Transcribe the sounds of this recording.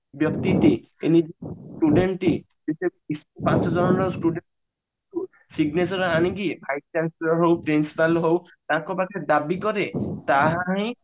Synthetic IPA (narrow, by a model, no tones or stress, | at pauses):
bjɔkt̪itiḛnid͡ʒisʈuɖenʈi | zesaisɔpãsɔzɔɹɔnɔɹsʈuɖen | tu | siɡnesɔɹɔaniɡipʰajsansɔɹɔɹɦowpɾinsipalɦow | tãkɔbakɛd̪abikɔɾɛtaɦãɦĩ